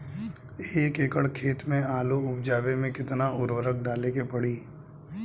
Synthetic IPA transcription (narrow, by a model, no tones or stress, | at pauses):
eːkeːkəɭkʰeːt̪mẽaːloʊp̚d͡ʒaːʋemẽkɪt̪naʊɾwəɾək̚ɖaːlekepɐɽiː